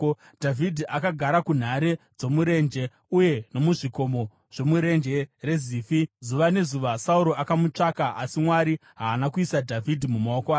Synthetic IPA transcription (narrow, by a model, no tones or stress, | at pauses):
dʱavʱidʱiʔakaɡʱaɾakun̤aɾe̞ | d͡zo̞muɾe̞nd͡ʒe̞ | uje̞no̞muʐiko̞mo̞ | ʐ̥o̞muɾe̞nd͡ʒe̞re̞ziːfizuʋane̞zuʋasauɾo̞akamut͡ʂakaʔasimwaɾiɦaːnakuisadʱavʱidʱimumaokwaː